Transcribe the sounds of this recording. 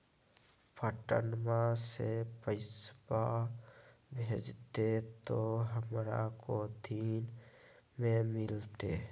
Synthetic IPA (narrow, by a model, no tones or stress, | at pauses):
pʰəʈə̰nmãsepəɪsba | bʱeːd͡ʒt̪et̪oɦəmɾa̰kod̪ʱiːn | mẽmɪlt̪e